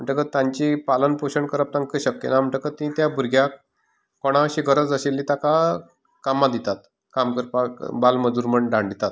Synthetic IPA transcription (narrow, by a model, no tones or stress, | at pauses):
m̤əɳʈəkət̪jãɲt͡ɕipalənpoɕəɳkəɾəp̚t̪ãŋkəɕəkːenam̤əɳʈəkət̪ĩt̪jabʱuɾɡʱja | koɽ̃aɕiɡʱəɾət͡sd͡zəɕelːit̪aka | kamːad̪it̪at̪ | kamkəɾpa̰balməd͡zuːɾməɳɖaɳɖit̪at̪